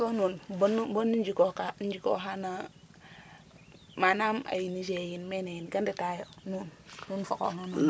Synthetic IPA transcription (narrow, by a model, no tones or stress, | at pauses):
konunbnbonːind͡ʒikokand͡ʒiko̰ɦana | manama̰jinid͡ʒejinmenejinɡandetajonunnunfo̰ko̰nonu